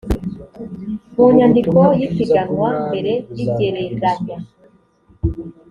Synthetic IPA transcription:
muɲandikojifiɡaŋɡwambe̞ɾe̞jiɟeɾezaba

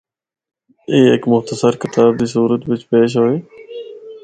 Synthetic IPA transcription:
eːeːkmʊxt̪əsəɾkɪt̪aːb̚d̪iːsuːɾət̪ʋɪt͡ʃpeːʃ̬ɦoːeː

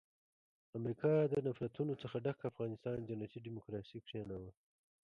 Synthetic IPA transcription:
amɾikʰɑd̪ənafɾat̪unot͡səxaɖakaːfɣɑnɪst̪ɑnd͡ʒanat̪iɖimʊkɾɑsikʂanawa

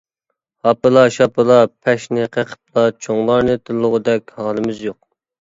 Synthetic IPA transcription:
hɑpɨlˠɑʃɑpɨlˠɑpʰɛʃnɪqʰeqʰə̥p̚lˠɑt͡ʃʰoŋlˠɑɾnɨt̪ʰɨlːʊʁəd̪ɛkʲhɑːlˠɨmɪzjoq̚

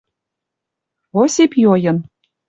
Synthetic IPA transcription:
osʲepjojɤ̆n

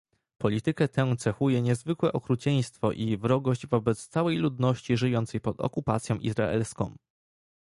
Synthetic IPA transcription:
pɔlʲit̪ɘkɛt̪ɛ̃t̪sɛxujɛɲɛzvɘkwɛʔɔkɾut͡ɕɛj̃st̪fɔʔivɾɔɡɔʑd͡ʑvɔbɛt̪st̪sawɛjlud̪nɔɕt͡ɕiʐɘjɔnt̪sɛjpɔd̪ɔ̰kupat̪sʲjɔ̃ʔḭzɾa̰ɛ̰lskɔ̰̃w̃

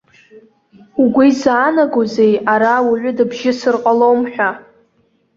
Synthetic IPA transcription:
uɡʷijzaːnaɡozejaɾawuʕʷʊdɨbʒɪsɨrqʼalowmħʷᶣa

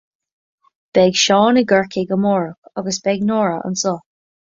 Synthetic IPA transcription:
b̥ɛɡʃɔːnəɡəɹkʰɪɡəmɔːɹʊkɔɡəsb̥ɛɡnɔːɹəʔə̰nsɔ

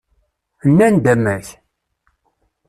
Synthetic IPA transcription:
ənːænd̪æmːæç

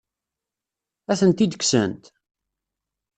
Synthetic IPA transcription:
æθənt̪id̪əksə̰nt̪

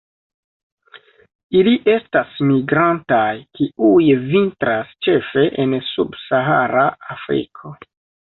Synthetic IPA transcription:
iliʔe̞stasmiɡɾantajkiujvintɾast͡ʃe̞fe̞ʔensubsaɦaɾaafɾḭkʰo̞

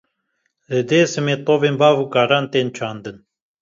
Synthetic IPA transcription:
ləd̪eːsəmet̪ovenbaːvukaɾant̪ent͡ʃʰand̪ən

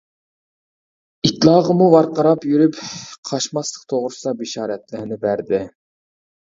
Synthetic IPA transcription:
it̪lˠɑːʁəmuwɑɾqɑɾɑpjyɾypqʰɑʃmɑslˠə̥qt̪ʰoʁɾʊsd̪ɑbiʃɑːɾɛt̪lɪɾnɪbæɾd̪ɪ

